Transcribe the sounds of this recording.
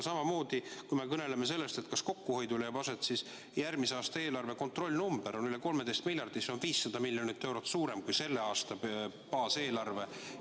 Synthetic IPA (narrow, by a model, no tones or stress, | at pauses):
sɑmɑmo̞ːd̪̥ikujme̞kɤne̞le̞me̞s̬e̞lːe̞st̪e̞t̪̚kɑsko̞kːuho̞jd̪ulejɑpɑset̪ˑsis | jærmiseɑːst̪ɑe̞ːlɑrve̞ko̞nt̪ro̞lʲːnumb̥eɾo̞nyle̞ko̞lmed̪̥e̞jst̪milʲjɑrd̪̥iseo̞nviːsːɑd̪̥ɑmilʲjo̞nit̪ːe̞wɾot̪ːsuːɾe̞mkujse̞lːe̞ɑːst̪ɑ | pɑːse̞ːlɑrve̞